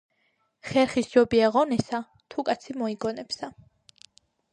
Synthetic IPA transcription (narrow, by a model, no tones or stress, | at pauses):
χɛɾχisd͡ʒɔbiaʁɔnɛsa | t̪ʰukʼat̪sʰimɔiɡɔnɛpsa